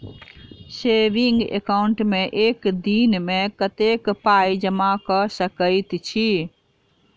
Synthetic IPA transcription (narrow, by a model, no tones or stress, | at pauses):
seʋiŋɡḛkaʊɳʈmẽʔeːkd̪iːnmẽkət̪ekpaːid͡ʒəmakəsəkəit̪t͡ʃʰi